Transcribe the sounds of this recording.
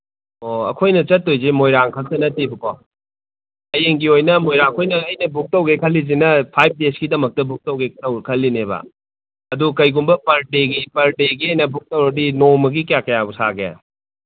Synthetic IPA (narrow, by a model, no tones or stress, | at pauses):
oɐ̰kʰojnɐt͡ʃɐtːojzemojɾaŋkʰɐltɐnɐtːibukɔ | ɐjeŋɡiojnɐmojɾaŋkʰojnɐːjnɐbuk̚tɐwɡekʰɐlːizinɐpʰajp̚deskidɐmɐk̚tɐbuk̚tɐwɡektɐwkʰɐlːinebɐ̰ | ɐdukɐjɡumbɐpɐɾdeɡipɐɾdeɡiɐjnɐbuk̚tɐwɾɔdinomɐɡikjakɐjabusaɡeja̰